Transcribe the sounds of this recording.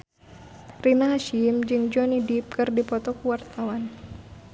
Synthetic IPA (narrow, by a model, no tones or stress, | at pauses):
rinaɦaʃimd͡ʒɨŋd͡ʒɔnidip̚kɨrdipɔt̪ɔkuwart̪awan